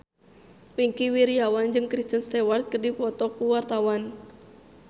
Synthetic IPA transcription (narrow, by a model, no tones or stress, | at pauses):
piŋkiwiɾiawand͡ʒɨŋkɾist̪ənst̪ɛwart̪̚kərdipɔt̪ɔkuwart̪awan